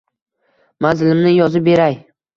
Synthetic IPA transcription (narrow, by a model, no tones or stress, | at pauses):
manzɪlɪmnɪjɒzɪp̚be̞ɾaj